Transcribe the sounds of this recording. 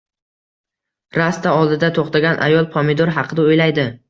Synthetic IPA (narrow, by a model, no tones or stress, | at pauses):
ɾast̪aɒlˠd̪ɪd̪at̪ʰoχt̪ʰaɡʲanʔa̰jɒlˠpʰɒmɪd̪oɾɦɑqʰɨd̪aojlajd̪ɪ